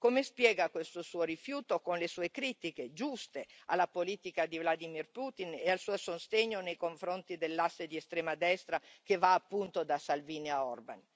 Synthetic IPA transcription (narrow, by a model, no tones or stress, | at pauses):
komespjɛːɡakwest̪osuːoɾifjuːt̪okonlesuːekɾiːt̪iked͡ʒust̪ealːapoliːt̪ikad̪ivlad̪imirput̪inealsuːosost̪eɲːonejkoɱfɾont̪id̪elːasːed̪iest̪ɾɛːmad̪ɛst̪ɾakevaːpːunt̪od̪asalviːnjaɔrban